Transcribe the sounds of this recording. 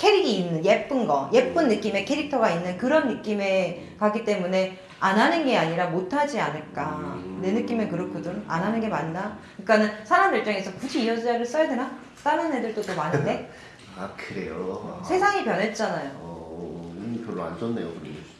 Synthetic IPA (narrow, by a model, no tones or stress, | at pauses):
kʰe̞ɾiɡiːnːɯnje̞p͈ɯnɡʌje̞p͈ɯnːɯk͈ime̞kʰe̞ɾik̚tʰʌɡainːɯnkɯɾʌnːɯk͈ime̞ | kaɡ͈it͈e̞mune̞ | anɦanɯnɡeaɲiɾamotʰad͡ʑianɯɭk͈ane̞nɯk͈imekɯɾʌkʰodɯna̰nɦanɯnɡe̞manːakɯik͈anɯnsʰaɾamdɯɭt͡ɕ͈ʌŋe̞sʰʌkud͡ʑʰiːʌd͡ʑaɾɯɭs͈ʌjadena | s͈amanedɯɭd͈odomanɯnde̞ | akʰɯɾe̞̰josʰe̞sʰaŋipjʌnɦe̞t̚t͡ɕ͈anajo | pjʌɭːoa̰nd͡ʑʌnːe̞jo̰kɯɾʌne